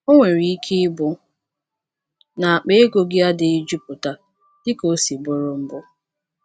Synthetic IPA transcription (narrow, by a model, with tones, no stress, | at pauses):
o˦ŋʷe˨ɾi˨i˦kʰe˦ɪ˦bʊ˦ | na˨a˨k͡pe˦e˦ɡo˨ɡɪ˦a˦dɪ˨ɪ˦d͡ʒu˦pʊ˨ta˦ | d̥ɪ˦ko˦si˨bʊ˦ɾʊ˨m̩˦bʊ˦